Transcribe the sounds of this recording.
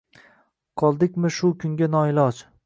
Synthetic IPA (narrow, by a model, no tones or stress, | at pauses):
qʰɒlˠd̪ɪkʲmɪʃʊkʲʰʊŋɡʲanɒɪlɒd͡ʒ